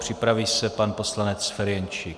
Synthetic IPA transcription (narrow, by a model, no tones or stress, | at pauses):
pr̝̥ɪpɾaviːsɛpanpo̞slanɛt͡sfɛɾjɛnt͡ʃi